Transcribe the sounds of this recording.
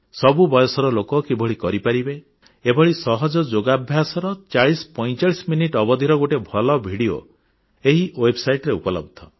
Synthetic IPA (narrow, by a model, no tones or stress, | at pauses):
sɔbubɔjɔsɔɾɔlokɔkebʱɔɭikɔɾipaɾibe | ebʱɔɭisɔɦɔd͡ʒɔd͡ʒoɡabʱjasɔɾɔt͡ʃaɭisɔ̥pɔj̃t͡ʃaɭisminiʈɔbɔd̪ʱiɾɔɡoʈebʱɔlɔbʱiɽio̰ | eɦiʔwebsajʈɾeupɔlɔ̰b̚d̪ʱɔ